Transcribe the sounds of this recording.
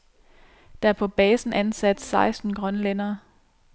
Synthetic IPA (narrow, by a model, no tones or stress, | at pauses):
d̥ɑ̈æɐpʰɒ̽b̥ɛːsn̩ʔænsæd̥sɑ̈ɪsd̥n̩ɡ̥ʁɶnlenɐː